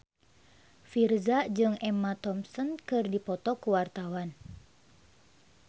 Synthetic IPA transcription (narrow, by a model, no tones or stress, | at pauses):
firzad͡ʒɨŋɛmat̪ɔmsɔnkɨrdipɔt̪ɔkuwart̪awan